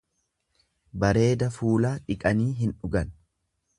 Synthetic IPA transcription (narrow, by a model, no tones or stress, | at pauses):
bɐɾe̞ːd̪ɐfuːlaːᶑɪkʼɐniːɦɪnᶑʊɡɐn